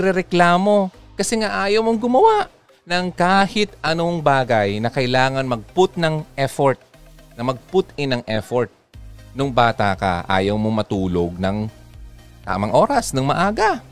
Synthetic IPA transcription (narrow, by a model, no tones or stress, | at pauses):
ɾɛɾɛklaːmo̞kɐsɛŋaʔaːjowmoŋɡʊmɐwaʔ | nɐŋkaːhɪt̪ʔɐnoŋbaːɡɐjnɐkɐjlaːŋɐnmɐɡ̚pʊt̪̚nɐŋʔɛfoɹt̪̚nɐmɐɡ̚pʊt̪ɪnɐŋʔɛfoɹt̪̚ | nʊŋbaːt̪akɐ̰ʔa̰ːjɐwmomɐt̪uːloɡ̚nɐŋ | t̪a̰ːmɐŋʔo̞ːɾɐsnɐŋmɐʔaːɡɐ